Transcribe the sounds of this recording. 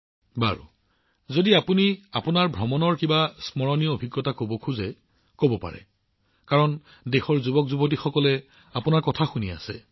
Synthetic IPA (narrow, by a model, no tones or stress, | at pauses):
ba̰ɹṵ | zodiapuniapunaɹbʱɹɔmɔnɔɹkibasmɔɹɔniɔobʱiɡɹɔtakobɔkʰuzɛ | kobɔpa̰ɹɛ̰ | kaɹɔn | dexɔɹzubɔkzubɔt̬ixɔkɔlɛ | apunaɹkɔtʰaxunia̰sɛ